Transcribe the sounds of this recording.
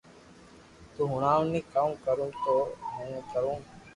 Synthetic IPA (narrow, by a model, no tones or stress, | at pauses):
t̪uːɦʊɳaːʋniːkamkəɾũːt̪oːmẽːkəɾũː